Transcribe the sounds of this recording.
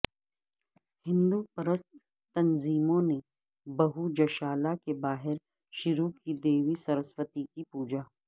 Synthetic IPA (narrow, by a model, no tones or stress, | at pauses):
hɪ̃nd̪upɐɾəst̪ː | ɐnziːmõne | bɐɦud͡ʒɐʃaːlakebaːɦɪɾ | ʃʊɾukid̪eːʋisɐɾəswət̪ikipuːd͡ʒaː